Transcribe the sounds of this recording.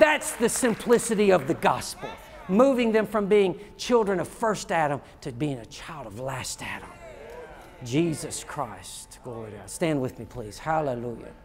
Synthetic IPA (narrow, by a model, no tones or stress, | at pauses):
ðætsðɨsɨ̃mpʰl̥ɪsɨɾiʌvðɨɡɑspl̩ˠ | muvɪ̃ŋðɨ̃ɱfɹʌ̃mbiɪ̃ŋt͡ʃʰɪlˠdɹɨ̃nʌv̥fɜ˞stæɾə̃m | tʰɨbiɪ̃ŋɨt͡ʃʰaɪlˠdʌvlæstæɾə̰̃m | d͡ʒizɨskʰɹ̥aɪstɡ̥lɔɹɹiə̰stæ̃nd̚wɨðmipʰl̥iz̥hæləlujɨ̰